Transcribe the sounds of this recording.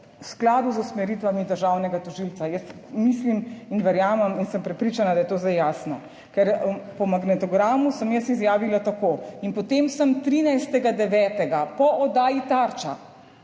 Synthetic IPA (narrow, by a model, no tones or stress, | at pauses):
usklaːd̪uzusmɛɾiːt̪ʋamid̪əɾʒawnɛɡat̪ɔʒilt̪sajəst̪miːsliminʋɛɾjaːmɛminsəmpɾɛpɾiːt͡ʃanad̪ajɛt̪oːzd̪ajaːsnɔ̰ | kɛɾpɔmaɡnɛt̪ɔɡɾaːmusəmjəsizjaːʋilat̪akoːinpɔt̪emsɐmt̪ɾinajst̪ɛɡad̪ɛʋɛːt̪ɛɡapɔʔɔd̪aːjit̪aɾt͡ʃa̰